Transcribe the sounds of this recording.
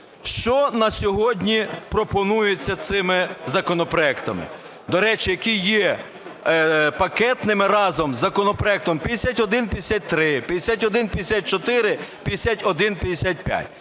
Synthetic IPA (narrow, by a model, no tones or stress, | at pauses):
ʃt͡ʃɔnɐsʲɔɦɔdʲnʲipɾɔpɔnujʊt͡sʲːɐt̪sɪmɪzɐkɔnɔpɾɔɛkt̪ɐmɪ̰ | d̪ɔɾɛt͡ʃɪjɐkijɛ | pɐkɛt̪nɪmɪɾɑzɔmzːɐkɔnɔpɾɔɛk̚t̪ɔmpʲɐd̪esʲatʲɔd̪ɪnpʲjd̪esʲat̚ʲt̪ɾɪpʲɐd̪esʲat̬ʲɔd̪ɪnpʲjd̪ʲesʲat̪̚t͡ʃɔt̪ɪɾɪpʲjɐd̪esʲatʲɔd̪ɪnpʲjɐd̪esʲat̪̚ʲpʲja̰tʲ